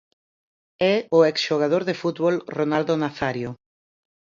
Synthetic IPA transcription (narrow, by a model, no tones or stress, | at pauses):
ɛʊeksʃoɣað̞oɾðefut̪βolronald̪ʊnaθaɾjo